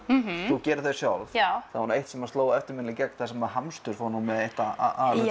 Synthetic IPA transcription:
θucɛːɾʏ̥θejɾ̥sjawlfθahunaejht̪sɛmḁt̪loːwaɛft̪ɪɾmɪnlɪcɛk̚n̥θasɛmaɦamst̪ʏɾ̥fonumɛðeht̪aa̰a̰l

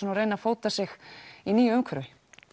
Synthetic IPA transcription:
ɛnaɾreːjnafoːwt̪asɪxiniːjʏʏmkʰːɾvɪ

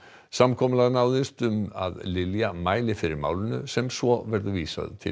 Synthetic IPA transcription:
samkʰɔmʏlaðnaːwðɪst̪ʏma̰ðlɪljamaːjlɪfɪɾɪɾma̰ːwlɪnʏ̰sɛmsvɔvɛɾðʏviːsa̰ðʏ̰t̪ʰɪ̰

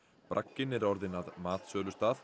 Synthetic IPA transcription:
pɾʔa̰kːɪnɪɾɔɾðɪnaðmaːt̪sœːlʏst̪aːθ

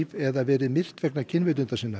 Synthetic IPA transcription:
vɛðavɛːɾɪmɪr̥t̪vɛknacʰɪnvɪt̪̬ʏnt̪asiːna

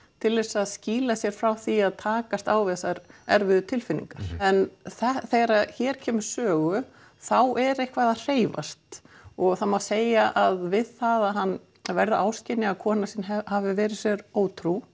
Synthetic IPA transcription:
t̪ʰɪlve̥saðsciːlasjɛɾ̥fɾawθiaðt̪ʰaːkast̪aːwvɪðɛsaɾɛɾvɪðʏt̪ʰɪlfɪnːḭŋkaɾ̥ɛnθɛθeːjɾaçɛːɾ̥cʰɛːmʏɾ̥sœːɣʏ | θawʔɛɾehkvaðar̥eːjva̰st̪ɔɣθamawseːjaʔaðvɪðθaðaɦanː | vɛɾðʏʔaːwscɪnɪakʰɔːnasɪnhavɪvɛːɾɪ̥sjɛɾoːwt̪ʰɾu

